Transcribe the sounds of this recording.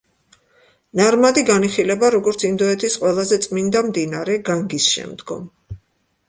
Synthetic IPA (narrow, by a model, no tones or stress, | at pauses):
naɾmad̪iɡaniχilɛbaɾɔɡɔɾt̪sʰind̪ɔɛt̪ʰisqʼwɛlˠazɛt̪sʼmind̪amd̪inaɾɛɡaŋɡisʃɛ̰md̪ɡɔ̰m